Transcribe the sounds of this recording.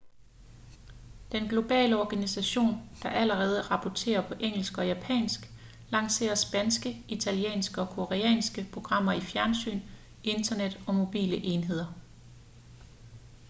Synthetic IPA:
d̥enɡ̥lo̝b̥ɛ̰ːləɒɡ̥ænisæɕo̝̰ːnd̥ɑ̈ʔæləʁɛːð̞ˠəʁɑ̈pʰɒt͡sʰe̝̰ːɐpʰɒ̽ʔeŋ̰l̩sɡ̥ɒ̽jæpʰɛ̰ːnsɡ̥ | lɑ̈ŋ̰se̝̰ːɐsb̥ænsɡ̥əit͡sʰæliḛːnsɡ̥əɒ̽kʰo̝ʁeɛ̰ːnsɡ̥əpʰʁo̝ɡ̥ʁɑ̈m̰ɐifjæɐnsy̰ːn | e̝nd̥ɐned̥ɒ̽mo̝b̥ḭːləʔe̝nɦe̝ð̞̰ˠɐ

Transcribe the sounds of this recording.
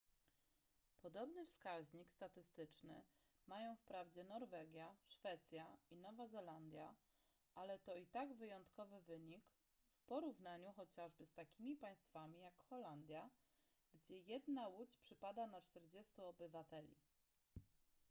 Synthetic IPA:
pɔd̪ɔbnɘfskaʑɲikst̪at̪ɘst̪ɘt͡ʂnɘ̰ | majɔ̃w̃fpɾavd͡ʑɛnɔɾvɛɡʲjaʂfɛt̪sʲjainɔvazɛland̪ʲja̰ | ʔalɛt̪ɔit̪aɡvɘjɔnt̪kɔvɘvɘɲik | fpɔɾuvnaɲuxɔt͡ɕaʐbɘst̪akʲimʲipaj̃st̪famʲijakxɔland̪ʲja | ɡd͡ʑɛjɛd̪nawut͡ɕpʂɘpad̪anat͡ʂt̪ɛɾd͡ʑɛst̪uɔbɘvat̪ɛlʲḭ

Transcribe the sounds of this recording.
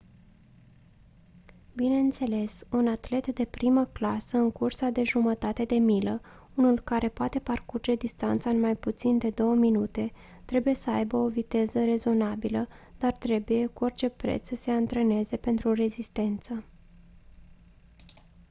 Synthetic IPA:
bineɨnt̪se̞le̞sunat̪le̞t̪d̪e̞pɾiməklasəɨŋkursad̪e̞ʒumət̪at̪e̞d̪e̞milə | unulkaɾʔe̞poat̪e̞parkurd͡ʒe̞d̪ist̪ant̪saɨnmajput̪sind̪e̞d̪o̞wəminut̪e̞ | t̪ɾe̞buje̞səajbəo̞vit̪e̞zəɾe̞zo̞nabiləd̪̥art̪ɾe̞buje̞kuo̞rt͡ʃe̞pɾe̞̰t̪ssəse̞ant̪ɾe̞ne̞ze̞pe̞nt̪ɾure̞zist̪e̞nt̪sə

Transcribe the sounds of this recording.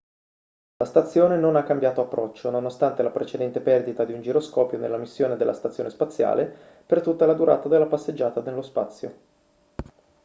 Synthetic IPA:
last̪at̪sːjoːnenonakːambjaːt̪oapːɾɔt͡ʃːononost̪ant̪elapɾʔet͡ʃed̪ɛnt̪epɛrd̪it̪ad̪iund͡ʒiɾoskɔːpjonḛlːamisːjoːned̪elʔa̰st̪at̪sjoːnespat̪sːja̰ːle | pert̪ut̪ːalad̪uɾa̰ːt̪ad̪elːapasːed͡ʒːaːt̪ad̪elːospa̰t̪sːjo̰

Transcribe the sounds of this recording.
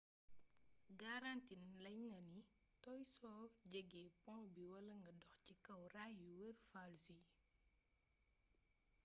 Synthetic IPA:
ɡaɾantinlɐjŋɐni | tɔjsɔːɟɛɡɛːpɔ̃biwɐlɐŋɡɐdɔxcikɐwrajuwərfalsi

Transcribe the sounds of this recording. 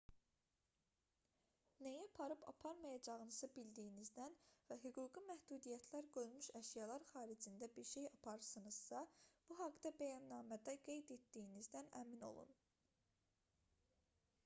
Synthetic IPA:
nejæpʰɑɾɯpʰɑ̰pʰɑɾmɑjɑd͡ʒɑʁɯnɯzɯbild̪ijinizd̪ænvæɦyɡuːɡimæhd̪uːd̪ijæt̪ʰlæɾɡø̞lmyʃæʃjɑlˠɑɾχɑːɾid͡ʒind̪æbiɾʃe̞jɑpʰɑɾɯsɯnɯz̥sɑb̥uɦɑɡd̪ɑbæjɑnːɑːmæd̪æɡe̞jd̪e̞t̪d̪ijːnizd̪ænæ̰mino̰lˠṵn

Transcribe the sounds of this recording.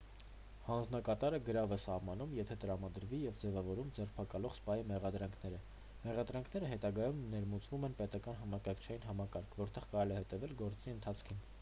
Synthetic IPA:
hɑnd͡znɑkɑt̪ɑɾəɡəɾɑvɛsɑhmɑnumjɛt̪ʰɛt̪əɾɑmɑd̪əɾvijɛvd͡zɛvɑvɔɾumd͡zɛrpʰɑkɑlɔʁspɑjimɛʁɑd̪ɾɑŋkʰnɛɾə | mɛʁɑd̪ɾɑŋkʰn̪ɛɾəɦɛt̪ɑɡɑjumnɛɾmut͡svumɛnpɛt̪ɑkɑnɦɑmɑkɑɾkʰt͡ʃʰɑjinɦɑmɑkɑɾkʰvɔɾt̪ɛʁkɑɾɛlɛhɛt̪ɛvɛlɡɔɾt͡siənt̪ʰɑt͡sʰkʰin

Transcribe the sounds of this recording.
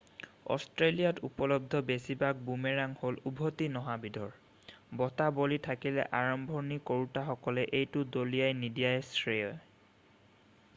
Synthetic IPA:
ɔ̰stɹelijatupɔlɔb̚d̪ʱɔbesibak̚bumeɹaŋholubʱotinɔɦabidʱɔɹ | bɔtabolitʰakilɛ̰ʔaɹɔmbʱɔnikoɹutaxɔkɔlɛʔejtʊdolijajnidijajsɹejɔj

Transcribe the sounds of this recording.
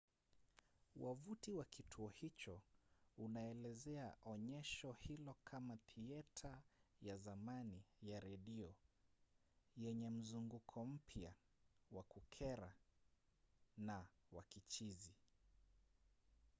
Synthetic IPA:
wʔavutiwakitʰuɔhit͡ʃɔunaɛlɛzɛaʔɔɲɛʃɔhilɔkʰamaθiɛtʰajazamanijaɾɛɗiɔ | jɛɲɛm̩zuŋɡukʰɔm̩pʰja | wakukʰɛɾa | nawakit͡ʃizi

